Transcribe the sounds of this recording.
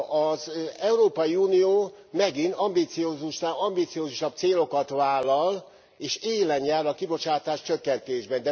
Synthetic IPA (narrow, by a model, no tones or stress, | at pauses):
ɒzɛuɾoːpɒjiuːnijoː | mɛɡint̪ɒmbit̪sioːzuʃaɒmbit̪sioːzuʃɒb̚t̪seːlo̞kɒt̪ʋaːlːɒl | eːʃeːlɛɲjaːɾɒkibo̞t͡ʃaːt̪aːʃt͡ʃøkːɛnt̪eːʒbɛnd̪ɛ